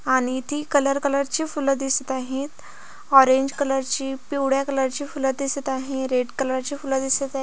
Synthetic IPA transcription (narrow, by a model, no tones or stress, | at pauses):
aɽ̃it̪ʰiːkələɾkələɾt͡ɕiːfuləd̪isət̪aɦet̪ | ɔɾeɲd͡ʑkələɾt͡ɕiːpiwɽjakələɾt͡ɕiːfuləd̪isət̪aɦeɾeʈkələɾɾt͡ɕiːfuləd̪isət̪a